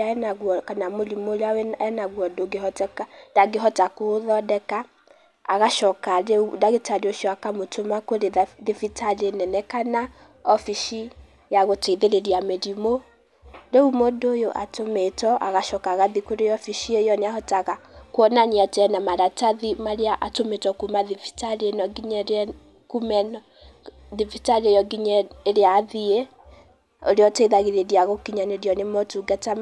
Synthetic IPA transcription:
aɛnaɡɔkanamolimolawɛɛnaɡwɔdoɡehɔtɛkadaɡeɦɔtakoðɔdɛkaː | ɣaʃɔkaɾeudaɣetadoʃɔakamotomakoɾeðefitalenɛnɛkana | ɔfiʃi | jaɣoteðeɾeɾiamelimo | doumodojoʔatometɔʔaɣaʃɔkaɣaðikoɾejɔfiʃiejɔneahɔtaɣakwɔnaneatɛnamaɾataðimaɾeaʔatometɔkumaðivi̥taɾienɔɡiɲɛ | kumɛnɔ | ðivitaɾejɔɡiɲɛːɾeaðie | oɾeɔtɛiðaɣeɾeɾiaɣokiɲaneɾiɔnemɔtuɡata

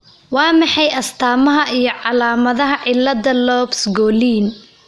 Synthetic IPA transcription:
wɑːmɑħɑjɐst̪ʰaːmɐɦɐʔijɞʕɑlaːmɐðɐɦɐʕɪlːɐðɐlɔːbsɡɔːliːn

